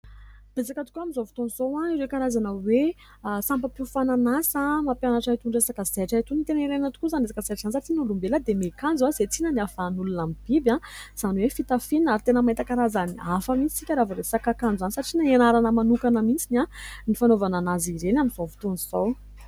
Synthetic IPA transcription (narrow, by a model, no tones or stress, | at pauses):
d̪̥esakət̪u̥kʲamizowvi̥t̪onuz̥owaiɾekaɾazanəwe | sampəpifananasəmapjanaʈ͡ʂait̪uɳɖ͡ʐesakəzeʈ͡ʂaɦt̪unit̪eniɾenat̪u̥kuzanesḁkazeʈ͡ʂansaʈ͡ʂinulumbeləd̪emekand͡zwazet͡sinəniafanulunamib̥ibjãz̥anwefit̪afininaɾit̪enəmaet̪akaɾazaniafəmit͡si̥sikʲəɾavaɾesakakand͡ʒuzanisaʈ͡ʂinaenaɾanəmanukanəmint͡sinanifanovananaziɾenamizovi̥t̪onuzow